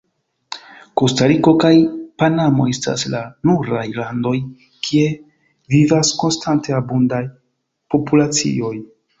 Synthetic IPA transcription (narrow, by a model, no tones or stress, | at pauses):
ko̞staɾiko̞kajpanamo̞e̞sta̰slanuɾajlando̞j | kʰie̞ | vivasko̞nstante̞abundaj | po̞pulat͡sḭo̞j